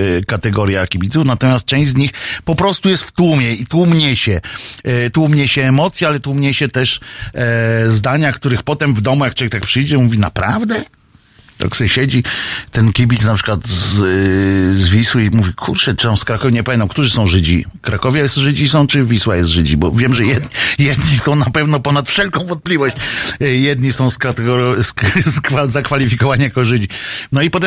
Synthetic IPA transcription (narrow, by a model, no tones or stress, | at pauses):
kat̪ɛɡɔɾjakʲibʲit̪sufnat̪ɔmʲast̪̚t͡ʂɛ̃w̃ʑd͡ʑzɲixpɔpɾɔst̪ujɛst̪ft̪wumʲjɛit̪wumɲɛɕɛ | t̪wumɲɛɕɛːmɔt̪sʲjɛalɛt̪wumɲɛɕɛt̪ɛʂ | zd̪aɲakt̪uɾɘxpɔt̪ɛmvd̪ɔmujaktt͡ʃɔvɛk̚t̪ak̚pʂɘjd͡ʑɛmuvʲinapɾavd̪ɛ | t̪a̰ksɔɕɛd͡ʑit̪ɛnkʲibʲit̪snapʂɘ̥kwat̪z | zvʲiswɘmuvʲikʰuɾt͡ʂɛt͡ʂɨt̪amskɾakɔvʲɛɲɛpamʲɛnt̪amkt̪uʐɨsɔ̃w̃ʐɘd͡ʑḭkɾakɔvʲɛjɛst̪ʐɘd͡ʑisɔ̃w̃t͡ʂɘvʲiswajɛst̪ʐɘd͡ʑibɔvʲjɛmʐɛjɛd̪ɲjɛd̪ɲisɔ̃w̃napɛvnɔpɔnat̪fʂɛlkɔ̃w̃vɔ̃nt̪̚plʲivɔɕt͡ɕjɛd̪ɲisɔ̃w̃skat̪ɛɡɔɾsskazakfalʲifʲikɔvaɲijakɔʐɘd͡ʑinɔipɔt̪̬ɛm